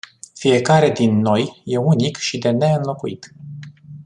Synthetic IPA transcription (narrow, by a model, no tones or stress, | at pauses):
fije̞kaɾe̞d̪inːo̞jje̞unikʃid̪e̞ne̞ɨnlo̞kuḭt̪